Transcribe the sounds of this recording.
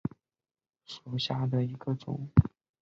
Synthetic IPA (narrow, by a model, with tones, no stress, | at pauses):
ʂu˨˩ɕja˥d̪ə˨i˧˥ɡ̥ə˧t͡sʊ̰˨˩˦ŋ